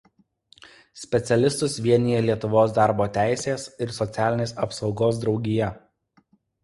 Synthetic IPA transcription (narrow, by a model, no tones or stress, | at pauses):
sʲpʲɛt̪sʲɛlʲɪst̪ʊsʋʲiɛnʲijɛlʲiɛt̪ʊʋoːsd̪ɑˑɾboːt̪ʲæˑɪsʲeːsɪɾsɔt̪sʲæːlʲɪnʲeːsɐpsɒʊɡoːsd̪ɾɒʊɡʲɪjɛ